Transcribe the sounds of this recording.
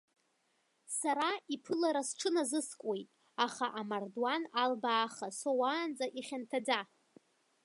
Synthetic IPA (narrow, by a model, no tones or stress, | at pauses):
saɾaipʰɨlaɾasʈ͡ʂʰɨnazɨskʷʼojtʼ | aχaʔamardwanalbaːχasowaːnd͡zʼaʔiχʲantʰad͡za